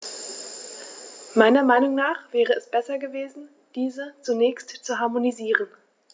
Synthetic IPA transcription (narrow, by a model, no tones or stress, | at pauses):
maɪnɐmaɪnʊŋnaːχv̥ɛːʁ̞əɛsb̥ɛsɐɡəveːzn̩ | d̥iːzət͡sunɛːçstt͡suɦaɐmoniziːʁən